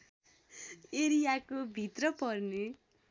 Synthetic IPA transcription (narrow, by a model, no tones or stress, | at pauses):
eɾijakobʱit̪rʌpʌrne